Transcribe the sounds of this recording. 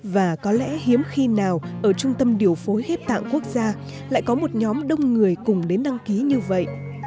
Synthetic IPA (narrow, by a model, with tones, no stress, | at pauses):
vaː˨˩kɔ˨˦lɛ̰˧˥ɦi˨˦əmxi˧naː˨˩wʔəː˧˩t͡ɕʊ˧ŋ͡mt̪ə˧mɗi˨˩əwfo˨˦jɣe˦˥p̚t̪a̰ː˧˨ŋku˦˥ək̚zaː˧ | la̰ː˧˨jkɔ˨˦mo˨˩t̚ɲɔ˨˦mɗə˧wŋ͡mŋɨ˨˩əjkʊ˨˩ŋ͡mɗe˨˦nɗa˧ŋki˨˦ɲɨ˧və̰˧˨jʔ